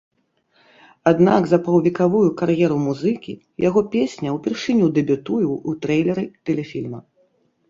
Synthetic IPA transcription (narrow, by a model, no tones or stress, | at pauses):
ad̪naɡzɐpɐwvʲikavujukarjɛɾumuzɨkʲḭ | jaɣɔpʲesʲnʲɐwpʲɛrʂɨnʲud̪ɛbʲut̪ujuwut̪ɾɛjlʲɛɾɨt̪ɛlʲɛfʲilʲmɐ